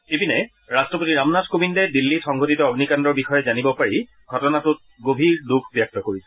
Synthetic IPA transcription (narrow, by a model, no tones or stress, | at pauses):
ebinɛ | ɹastɹɔpotiɹamnazkobindɛdilːitɔŋɡʱotitɔɔɡnikandɔɹbixɔjɛzanibɔpaɹi | ɡʱɔtɔnatʊt̚ | ɡobʱiɹduɡʰʱbjak̚tɔkoɹisɛ̥